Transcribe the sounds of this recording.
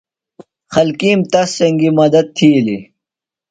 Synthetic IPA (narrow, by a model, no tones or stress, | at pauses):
xɐlkiːmt̪ɐsːɐŋɡimɐd̪ɐd̪̚t̪ʰili